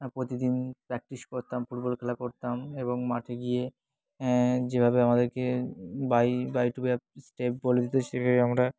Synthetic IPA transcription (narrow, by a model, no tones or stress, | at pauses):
pɾot̪id̪inpɾɛk̚ʈiʃkoɾt̪amfuʈbolkʰɛlakoɾt̪ameβoŋmaʈʰeɡije | d͡ʑebʱabeamad̪eɾkebajbajʈubeasʈep̚boled̪it̪eʃebʱabeamɾa